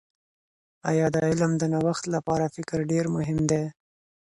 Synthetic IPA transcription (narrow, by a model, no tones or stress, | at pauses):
ɑjɑd̪ɑɪlamd̪ənawaxt̪lapɑɾafɪkɾɖeɾmʊɦɪmd̪e